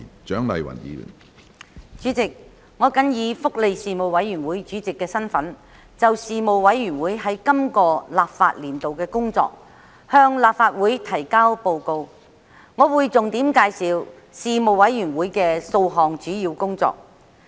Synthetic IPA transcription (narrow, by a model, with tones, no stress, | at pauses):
t͡ʃœː˨˥ŋlɐ̰˨jwɐ̰˨˩njḭː˨˧˨n | t͡ʃyː˨˥t͡sɪ˨k̚ | ŋɔː˨˧kɐ˨˥njiː˨˧fʊ˥k̚le˨˧jsiː˨mo˨wɐ˨˥jːy˨˩nwuː˨˥jt͡ʃyː˨˥t͡sɪ˨kːɛː˧sɐ˥nfɐ˨˥n | t͡sɐ˨wsiː˨mo˨wwɐ˨˥jːyː˨˩nwuː˨˥jɦɐ˨˥jkɐ˥mkɔː˧laː˨p̚fa̰ː˧t̚liː˨˩nt̪o˨wkɛː˧kʊ˥ŋt͡sɔ̰ː˧k̚ | hœː˧ŋlaː˨p̚faː˧t̚wuː˨˥jt̪ʰɐ˨˩jkaː˥wpo˨˧wko˧w | ŋɔː˨˧wuː˨˧jt͡sʊ˨ŋt̪iː˨˥mkaː˧jsiː˨w | siː˨mo˨wwɐ˨˥jjyː˨˩nwuː˨˥jkɛː˧so˧wɦɔː˨ŋt͡ʃyː˨˥jiː˧wkʊ˥ŋt͡sɔ̰ː˨k̚